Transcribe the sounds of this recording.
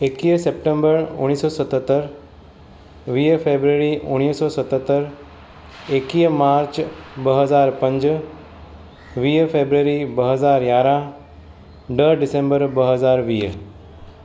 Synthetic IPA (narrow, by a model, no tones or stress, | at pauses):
ekiːsep̚ʈẽmbəɾʊ̰ñiːsɔːsət̪ət̪ːəɾ | ʋiːfeːbɾəɾiʔʊɽ̃iːsɔːsət̪ət̪ːəɾ | ekiːmaːɾt͡ʃbəɦəzaːɾpɐ̃ɲd͡ʒ | ʋiːfʰeːbɾəɾibəɦəzaːɾjaːɾã | ɖəɖɪsẽmbəɾbəɦəzaːɾʋiːɦ